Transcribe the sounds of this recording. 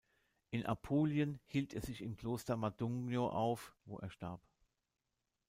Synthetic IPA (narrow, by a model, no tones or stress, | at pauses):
ʔɪnʔa̰pʰoːljənhiːltʰḛːɐzɪçɪmkl̥oːstɐmadɔŋɡnjoʔaʊfvo̰ːʔeːɐʃtaɐp